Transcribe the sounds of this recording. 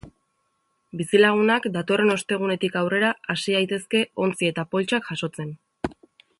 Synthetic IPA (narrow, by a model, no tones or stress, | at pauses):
bisilaɣ̞unakd̪at̪o̞re̞no̞st̪e̞ɣ̞une̞t̪ikawre̞ɾaːsiajt̪e̞ske̞o̞nt͡sie̞t̪apo̞lt͡ʃakʝaso̞t͡se̞n